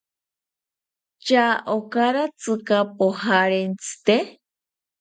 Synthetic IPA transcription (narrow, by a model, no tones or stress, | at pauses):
t͡ʃaʔokaɾat͡sɨkapohaɾent͡sɨ̥t̪e